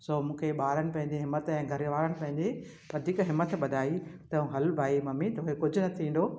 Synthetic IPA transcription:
soːmũːkʰeɓaːɾəɽ̃ɪ̆pɐ̃ɦɪ̃ɲd͡ʑẽɦɪmːət̪ɛ̃ːɡʱɐɾɪʋaːɾəɽɪ̆pɐ̃ɦɪ̃ɲd͡ʑe | ʋɐd̪ʱikɦɪmːət̪ɓɐd̪ʱaːit̪ɐũɦɐlbʱaːimɐmit̪oːɦekʊd͡ʑʱʊnɐt̪ʰĩːn̆d̪oː

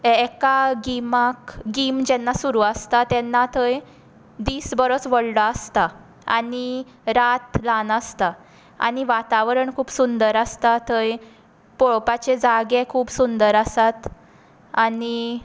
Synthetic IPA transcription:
ɛkaɡimakɡimd͡ʑɛnːasuɾuəst̪at̪ɛnːat̪ʰəj | d̪iːsbəɾət͡sʋəɽɖaəst̪a | a̰ni | ɾat̪lanəst̪a | a̰ñiʋat̪aʋɾəɳkʰuːpsund̪əɾəst̪at̪ʰəj | pɔɭpat͡ɕed͡zaɡekʰuːbsund̪əɾəsat̪ | ani

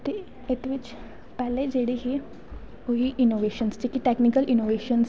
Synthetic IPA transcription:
t̪e | ɪt̪ʋɪt͡ʃ | pɛːled͡ʒeːɽeɦe | oɦiʔɪnoːʋeːʃənst͡ʃikiʈɛːknɪkəlʔɪnoːʋeːʃəns

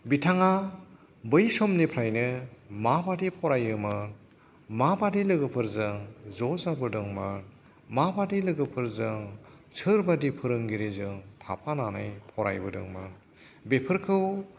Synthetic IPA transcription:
bitʰaŋa | bɯjsɔmnepʰɾajnɯmabadipʰɔɾajɯmɯn | mabadilɯɡɯpʰɯɾzɯŋzɔzabɯdɯŋmɯn | mabadilɯɡɯpʰɯɾzɯŋ | sʰɯɾbadipʰɯɾɯŋɡiɾezɯŋtʰa̰pʰanana̰jpʰɔɾa̰jbɯdɯ̰ŋmɯ̰n | bepʰɯɾkʰɯw

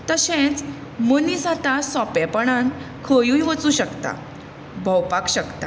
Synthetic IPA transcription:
t̪əɕẽt͡s | mənisat̪asɔpjapəɳ̃an | kʰəjũjʋət͡suːɕəkt̪a̰ | bʱəwpakɕəkt̪a̰

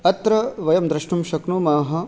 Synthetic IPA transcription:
ɐt̪ːɾɐʋɐjɐmd̪ɾɐʃɳumʃɐknumaːɦɐ̆

